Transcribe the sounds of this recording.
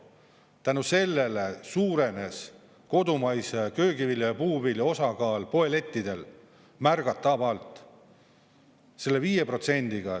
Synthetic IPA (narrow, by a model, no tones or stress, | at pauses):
t̪ænuse̞lːelesuːɾe̞ne̞s | ko̞d̪umɑjsekø̞ːɡiviljɑjɑpuːbilio̞sɑɡɑːlpo̞ele̞t̪ʲːid̪̥e̞l | mærɡ̥ɑt̪ːˑɑbɑlt̪ˑ | se̞lːe̞viːje̞pro̞t̪se̞nʲd̪̥iɡ̥ɑ